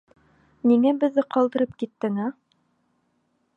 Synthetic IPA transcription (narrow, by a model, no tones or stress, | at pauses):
niŋæbɘ̆ðːɘqɑlˠd̪ɤ̆ɾɤp̚kit̪ːɘŋæ